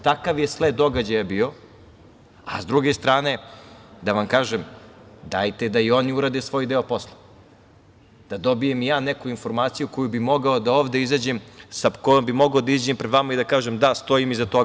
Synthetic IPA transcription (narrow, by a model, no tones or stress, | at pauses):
t̪akaʋjesled̪o̞ɡad͡ʑajabiːo̞ | a̰zd̪ɾuɡe̞st̪ɾaːne̞d̪aʋamkaːʒemd̪ajt̪e̞d̪aio̞niuɾad̪e̞sʋo̞ːjd̪eopo̞slˠe̥ | d̪̥ad̪o̞bijemjaːnekuinfo̞ɾmaːt̪sijuko̞jubimo̞ɡaod̪aoːʋd̪eizaːd͡ʑemsakojombimo̞ɡaod̪aizd͡ʑempɾed̪ʋamaid̪akaːʒemd̪ast̪o̞imizat̪o